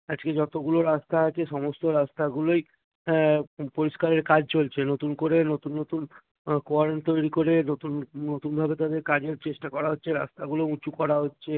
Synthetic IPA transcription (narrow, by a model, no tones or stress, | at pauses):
ad͡ʑked͡ʑɔt̪oɡuloɾast̪aat͡ɕʰeʃɔmost̪oɾast̪aɡuloj | poɾiʃkaɾeɾkad͡ʑt͡ɕolt͡ɕʰenot̪unkoɾenot̪unːot̪un | koaɾent̪ojɾikoɾenot̪unnot̪unbʱabet̪ad̪eɾkad͡ʑeɾt͡ɕeʃʈakɔɾaɦotːɕʰeɾa̰st̪aɡulout͡ɕukɔɾaɦotːɕʰe